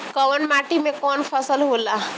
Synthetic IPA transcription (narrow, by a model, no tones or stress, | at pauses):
kəʋənmaʈimẽkɔnpʰəsəlɦola